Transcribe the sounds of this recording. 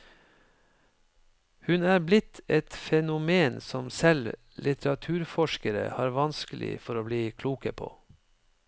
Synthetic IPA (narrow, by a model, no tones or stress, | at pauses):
hʉnæːblɪt̪ʰɛt̪fɛnʊmeːnsɔmsɛl | lʔɪt̪əɾɑt̪ʰʉːɾfɔʃkəɾə̰hɑːɾʋɑnskəlɪ̰fɔɾoːbliːkʰluːkəpʰo̰ː